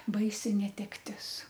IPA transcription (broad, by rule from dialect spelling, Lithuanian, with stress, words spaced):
ˈbɐɪsʲɪ nʲɛtʲɛkˈtʲɪs